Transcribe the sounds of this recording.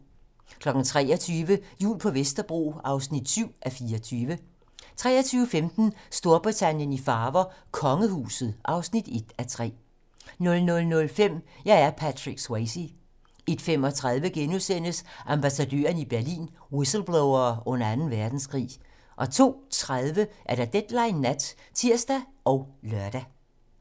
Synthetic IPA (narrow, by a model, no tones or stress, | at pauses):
kʰlɒ̽ɡ̥n̩t͡sʰʁɛ̰ːɒt͡sʰyːʋəjṵːlpʰɒ̽ʋesd̥ɐb̥ʁo̝̰ːɑ̈ʊsnid̥syʊ̰ʔæfiːɐɒt͡sʰyːʋə | t͡sʰʁɛ̰ːɐt͡sʰyːʊəfemd̥n̩sd̥o̝ɐb̥ʁit͡sʰænjənifɑ̈ːʋɐkʰɒ̽ŋəhṵːsð̩ˠʔɑ̈ʊsnid̥e̝d̥æt͡sʰʁɛ̰ː | nɔ̽lnɔ̽lnɔ̽lfem̰jɑ̈ɪæɐpʰædʰʁiɡ̥sweɪsi | e̝d̥fem̰ɒ̽t͡sʰʁað̞ˠʋəɡ̥enusen̰əsʔɑ̈mb̥æsædø̰ːɐnib̥æɐlḭːnwisl̩b̥loʊɐːɔ̽nɐænn̩ʋæɐd̥n̩sɡ̥ʁḭː | ʔɒ̽t͡sʰo̝̰ːt͡sʰʁað̞ˠʋəʔæɐɾ̥ɑ̈d̥ed̥lɑ̈ɪnːæd̥t͡sʰiɐsd̥æʔɒ̽ʊlɶɐd̥æ